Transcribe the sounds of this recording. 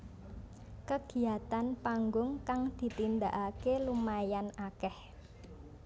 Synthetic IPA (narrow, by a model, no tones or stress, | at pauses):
kəɡ̥i̤at̪anpaŋɡʊŋkaŋd̪̥i̤t̪ind̪aʔakelumajanakɛh